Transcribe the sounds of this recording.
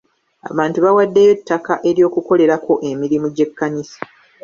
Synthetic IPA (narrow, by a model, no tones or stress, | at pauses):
a̰βaːntuβawadːejo̞tːakaʔe̞ɾjo̞ːkuko̞le̞ɾako̞ʔe̞miɾimuɟe̞kːaɲisḁ